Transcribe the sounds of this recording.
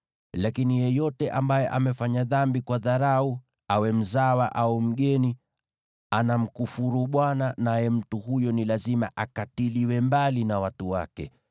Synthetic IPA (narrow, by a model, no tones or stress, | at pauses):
lakinijɛjɔtɛʔambajɛʔamɛfaɲaðambikwaðaɾau | awɛm̩zawaʔaum̩ɠɛni | anam̩kufuɾuɓwananajɛm̩tuhujɔnilazimaʔakatiliwɛmbalinawatuwa̰kɛ̰